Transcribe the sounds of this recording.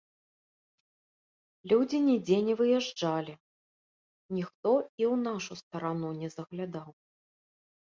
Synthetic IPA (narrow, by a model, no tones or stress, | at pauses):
lʲud͡zʲinʲid͡zʲenʲɛvɨjɛʐd͡ʐalʲi | nʲixt̪ɔiwnaʂust̪ɐɾanunʲɛzɐɣlʲad̪aw